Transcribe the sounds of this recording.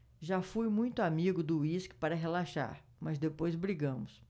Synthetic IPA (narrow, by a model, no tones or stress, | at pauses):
ʒafujmũj̃t̪ʊamiɡʊd̪ʊiskɪ̥paɾɐɦelaʃa̰ɾ | mɐzd̪epojzbɾiɡɐ̃mʊs